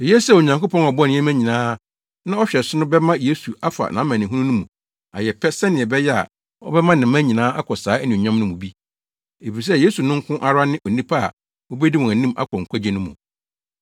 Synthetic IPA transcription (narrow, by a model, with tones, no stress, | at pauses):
e˨jɛ˦sɛ˦˨o˨ɲã˨ŋko˦pʰɔ̃˦nɔ˨bɔ˦ñ˨˦ɛ̃˦mæ̃˦ɲĩ˨nãː˦ | nã˦ɔ˦ɕᶣɛ˨sʊ˦nʊ̃˦bɛ˦mã˦je˦su˨a˦fa̰˨nã˨˦mã˨n˨ɪ̃˨ɦũ˦nũ˦nʊ̃˦mũ˨ | a̰˨jɛ˨pʰɛ˦sɛ˦nɪ̃˨ɛ˨bɛ˦jɛ˦a̰˨ | ɔ̰˦bɛ˦mã˦nɪ̃˨˦mæ̃˦ɲĩ˨nãː˦a˦kʰɔ˨saː˨˦ɛ˦nĩ˨ɲã˦mnʊ̃˦mʊ̃˨bi˦ | e˨fi˨s̬ɛ˦˨je˦su˨nʊ̃˦ŋ̩˦kʰʊ̃˦ʔa˦ɾʊa˦nɪ̃˦ʔɔ˨nĩ˦pʰa˦a̰˨ | wɔ˦bɛ˦di˦wɔ̃˨æ˨nĩ˦ma̰˦kʰɔ˨ŋ̩˨kʰʷa˦d͡ʑɛ̃˦nʊ̃˦mṵ̃˨